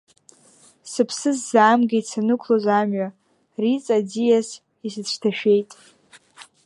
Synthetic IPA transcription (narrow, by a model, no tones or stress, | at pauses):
sɨpʰsɨzzaːmɡʲejsʰanɨkʷʰlozamɥa | rit͡sʼad͡zijas | isɨt͡ɕʷʰtʰaʃᶣe̞jtʼ